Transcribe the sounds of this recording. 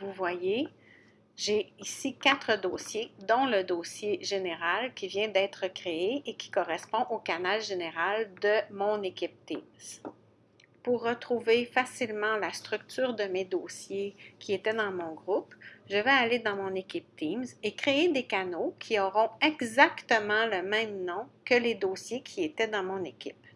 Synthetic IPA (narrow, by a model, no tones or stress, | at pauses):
vuvwaje | ʒeisikʲat̪χəd̪oːsjed̪ɔ̃ləd̪osjeʒeneʁalkʲivjɛ̃d̪ɛːt̪χəkʁeeekʲʰi̥kɔʁɛspɔ̃ʔokanalʒeneʁald̪əmɔ̃nekʲɪp̚t̪imz̥ | puʁːət̪χuvefasilmɑ̃last̪ʁyk̚t̪yːʁd̪əmed̪oːsjekʲiet̪ɛd̪ɑ̃mɔ̃ɡʁupʒəvɛaled̪ɑ̃mɔ̃nekʲip̚t̪imzekχeed̪ekanokʲʰiɔʁɔ̃ɛɡzakt̪əmɑ̃ləmɛ̃mnɔ̃kəled̪osjekʲʰiet̪ɛd̪ɑ̃mɔ̃nekʲip̚